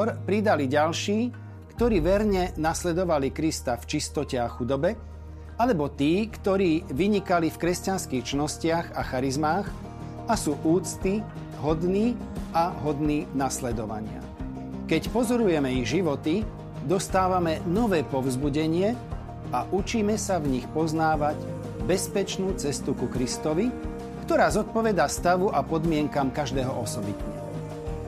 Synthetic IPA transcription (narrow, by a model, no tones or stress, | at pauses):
ɔɾpɾid̪aliɟalʃiː | kt̪ɔɾiːʋɛɾɲɛnaslɛd̪ɔʋalikɾist̪aft͡ʃist̪ɔcɛaxud̪ɔbɛ | alɛbɔt̪iːkt̪ɔɾiːʋiɲikalifkɾɛscanskixt͡ʃinɔscɪaɣaxaɾizmaːx | asuːʔuːt͡st̪i | ɦɔd̪niː | ʔaɦɔd̪niːnaslɛd̪ɔʋa̰ɲɪa̰ | kɛcpɔzɔɾujɛmɛiɣʒiʋɔt̪i | d̪ɔst̪aːʋamɛnɔʋɛːpɔvzbuɟɛɲɪɛ | aʔut͡ʃiːmɛsavɲixpɔznaːʋaɟ | bɛspɛt͡ʃnuːt͡sɛst̪ukukɾist̪ɔʋi | kt̪ɔɾaːzɔt̪̚pɔʋɛd̪aːst̪aʋuʔapɔd̪mɪɛŋkamkaʒd̪ɛːɦɔʔɔsɔbit̪ɲɛ̰ɦɔ̰